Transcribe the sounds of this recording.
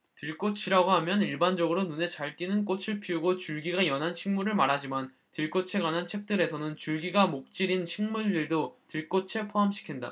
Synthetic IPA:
tɯɭk͈ot͡ɕʰiɾaɡoɦamjʌniɭband͡ʑʌɡɯɾonune̞t͡ɕaɭk͈inɯnk͈ot͡ɕʰɯɭpʰiuɡot͡ɕuɭɡiɡajʌnɦanɕʰiŋmuɾɯɭmaɾɦad͡ʑiman | tɯɭk͈ot͡ɕʰeɡwanɦant͡ɕʰe̞k̚t͈ɯɾe̞sʰʌnɯnt͡ɕuɭɡiɡamok̚t͡ɕ͈iɾinɕʰiŋmuɭdɯɭdotɯɭk͈ot͡ɕʰepʰoɦamɕʰi̥kʰinda̰

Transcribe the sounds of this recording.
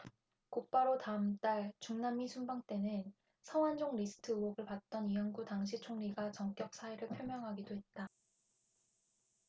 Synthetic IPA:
kop͈aɾotaɯmt͈aɭt͡ɕuŋnamːisʰumbaŋt͈e̞nɯn | sʰʌŋwand͡ʑoŋɾisʰɯ̥tʰɯwʌɡɯɭpat̚t͈ʌniʌnɡutaŋɕ̬ʰit͡ɕʰoŋɲiɡat͡ɕʌŋk͈jʌk̚s͈ʰaeɾɯɭpʰjomjʌŋɦaɡidoɦe̞t̚t͈a

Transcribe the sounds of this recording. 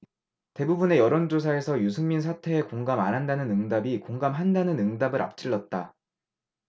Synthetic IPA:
te̞bubune̞jʌɾond͡ʑos̬ʰae̞sʰʌjusʰɯŋmins̬ʰatʰe̞ːkoŋɡama̰nɦandanɯnɯŋdabikoŋɡamɦandanɯnɯŋdabɯɾʔa̰p̚t͡ɕ͈ʰiɭːʌt̚t͈a

